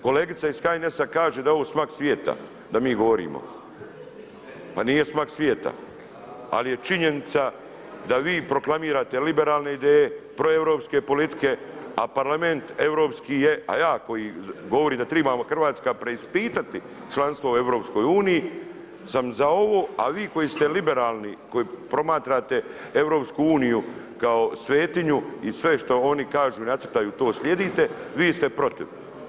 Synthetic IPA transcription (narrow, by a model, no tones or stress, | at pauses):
ko̞le̞ːɡit̪saiskajne̞sakaːʒed̪ao̞ʋosmaksʋjeːt̪a̰ | d̪amiːɡo̞ʋoɾḭːmo̰ | paniːje̞smaksʋjeːt̪a̰ | a̰lije̞t͡ʃiɲe̞nit̪sa | d̪aʋiːpɾo̞klˠamiːɾaːt̪e̞libe̞ɾaːlˠne̞id̪eːjepɾo̞e̞ʋɾo̞ːpske̞po̞lit̪i̥ke̞ | a̰paɾlame̞nt̪e̞ʋɾo̞ːpskije̞ʔa̰jaːko̞jiːɡo̞ʋo̞ɾiːd̪at̪ɾebaːmoxr̩ʋaːt̪skapɾe̞ispiːt̪at̪i | t͡ʃlˠanst̪ʋoue̞ʋɾo̞ːpsko̞juːniji | samzao̞ʋoːa̰ʋiːko̞jiːst̪e̞libe̞ɾaːlˠnikojipɾo̞maːt̪ɾaːt̪e̞ | e̞ʋɾo̞ːpskuuːniju | kao̞sʋe̞ːt̪iɲuisʋe̞ʃt̪o̞o̞nikaːʒuːinat̪ərt̪ajuːt̪o̞ːslʲje̞d̪iːt̪e̞ʋiːst̪e̞pɾo̞t̪iʋ